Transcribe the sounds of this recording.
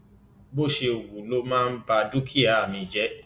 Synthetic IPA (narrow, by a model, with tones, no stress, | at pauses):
bo˦˨ʃe˧o˨wu˨lo˦mãː˦n̩˦ba˧du˦kʰi˦a˨˦a˦˨mĩ˧d͡ʒɛ˦